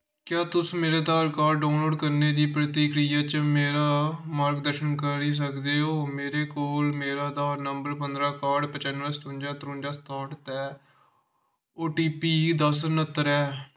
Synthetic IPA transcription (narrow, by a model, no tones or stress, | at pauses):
kjaːt̪ʊsmeːɾeːd̪aːɾkaːɾɖɖaːnloːɖkəɾneːd̪iːpɾət̪iːkɾijaːt͡ʃəmeːɾaːmaːɾkd̪əɾʃənkəɾɾiːs̬əkd̪eːɦoːmeːɾeːkoːlmeːɾaːd̪aːnəmbəɾp̬ənd̪ɾaːkaːɾɖpət͡ʃənːɾaːst̪uːnd͡ʒaːt̪ɾũːnd͡ʒaːst̪ãːʈt̪ɛː | oːʈiːpiːd̪əsnət̪ːəɾɛː